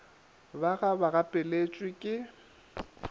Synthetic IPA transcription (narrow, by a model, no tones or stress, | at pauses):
baɣabaɣapʼɪlet͡ʃʼwɪkʼɪ